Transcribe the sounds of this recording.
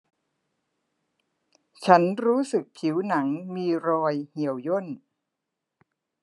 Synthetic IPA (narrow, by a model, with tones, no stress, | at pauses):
t͡ɕʰa˦˥nɾuː˦˥sɯ˨˩k̚pʰi˩˦wna˩˦ŋmiː˧ɾɔː˧jhi˩˦əwjo˥˩n